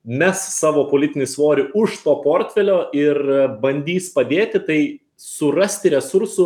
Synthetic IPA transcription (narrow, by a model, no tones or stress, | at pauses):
mʲɛsːɑːʋoːpoːlʲɪt̪ʲɪnʲɪsʋoːɾʲɪʊʃt̪oːpoːɾʲt̪ʲfʲɛlʲoːʔɪrbɐnʲd̪ʲiːspɐd̪ʲeːt̪ʲɪt̪ɐɪ | sʊrɐsʲt̪ʲɪɾʲɛsʊɾsʊ